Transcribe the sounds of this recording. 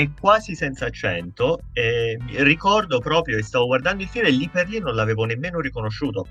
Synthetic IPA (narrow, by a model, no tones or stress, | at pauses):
ekːwaːzisɛnt̪sat͡ʃːɛ̰nt̪o | ɛmirikɔrd̪opɾɔːpɾjoest̪aːvoɡward̪and̪oilfilmelːipːerlinːonlaveːvonemːeːnoɾikonoʃːuːt̪o